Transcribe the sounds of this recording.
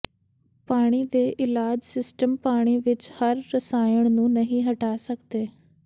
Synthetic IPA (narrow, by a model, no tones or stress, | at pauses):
paːɽ̃iːd̪eːʔɪlaːd͡ʒsɪsʈəmpaːɽ̃iːʋɪt͡ʃhəɾːəsaːjəɳnũːnəɦĩːɦəʈaːsəkd̪eː